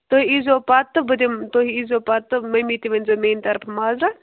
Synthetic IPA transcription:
t̪oɦiizoːpat̪ːɨbɐd̪imt̪oɦiizoːpat̪ːɨmɐjmit̪iʋɐnzomeːnt̪ɐɾpʰɐmaːzɾa

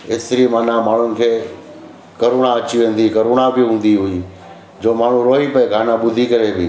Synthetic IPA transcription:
ɪst̪ɪɾimaːnamaːɳ̤ʊnɪ̆kʰeː | kɐɾoːɽ̃aɐt͡ɕiʋẽːn̆d̪ikɐɾoːɽ̃abɪɦũːn̆d̪iɦʊi | d͡ʑoːmaːɳ̤ũɾoːɦipɐeɡʱaːnaɓʊd̪ʱikɐɾebɪ

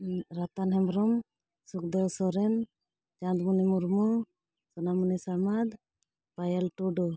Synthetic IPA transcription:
ɾat̪anɦɛmɾɔm | suk̚d̪ɔsɔɾɛn | t͡ʃãd̪munɛmuɾmɔ | sɔnamunɛsamad̪ | pajalʈuɖɔ

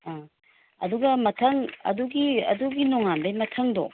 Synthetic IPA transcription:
a | ɐ̰duɡɐmɐtʰɐŋɐ̰duɡiɐ̰duɡinɔŋanbɐjmɐtʰɐŋdo̰

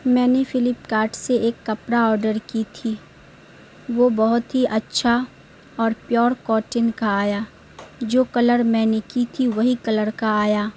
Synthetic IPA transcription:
mɛ̃ːnefɪlɪpkaːɾʈseʔeːkːɐpɾaɔːɾɖəɾkit̪ʰiː | ʋobɐɦʊt̪ɦiʔɐtːʃʰa | ɔːɾpjɔːɾkɔːʈɪnkaːjaː | d͡ʒoːkɐləɾmɛ̃ːnekit̪ʰiʋɐɦikɐləɾkaaːjaː

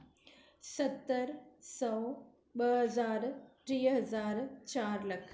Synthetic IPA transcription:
sɐt̪ːəɾsɔw | bəɦɐzaːɾʈɾiːɦɐzaːɾt͡ɕaːɾləkʰ

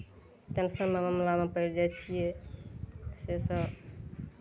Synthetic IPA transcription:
t̪ənsə̃meməmlamepəɪɾd͡ʒat͡ʃʰije | sesə

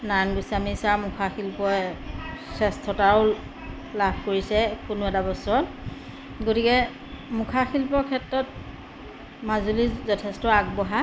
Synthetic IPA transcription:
nanɡusamisaɹmʊkʰaxʰilpɔɛ | sɛstʰɔtaɹʊ | labʱkoɹisɛkunʊɛtabɔsɔɔt | ɡotikɛ | mukʰaxilpɔɹkʰɛtɹɔt̚ | mazulizɔtʰɛstɔaɡ̚bɔɦa

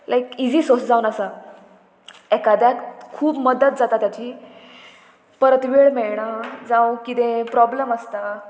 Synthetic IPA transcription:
lajkid͡ziːsosd͡zãwunəsa | ɛkad̪jat̪kʰuːbməd̪ət̪̚d͡zat̪at̪jat͡ɕi | pəɾət̪ʋiɭmɛɭɳ̃ad͡zãwkit̪ẽpɾɔbləməst̪a

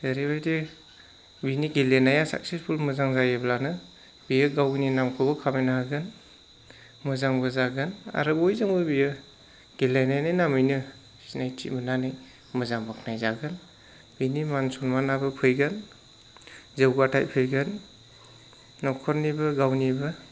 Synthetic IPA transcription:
daɾibajde | biniɡelenajasa̰k̚sespʰulmɯzaŋzajeblanɯ | b̥ijɯɡawninamkʰɔbɔkʰamajnaaɡɯn | mɯzaŋbɯzaɡɯna̰ɾɯbojzaŋbɯbijɯ | ɡ̥elajnajnajnamɯjnɯ | ssinajtʰḭmɯnanaj | mɯzaŋbakʰnajzaɡɯn | b̥inimansɔnmanabɯpʰɯjɡan | zewɡatʰa̰jpʰɯjɡan | ɔkʰɔɾnibɯɡawnibɯ

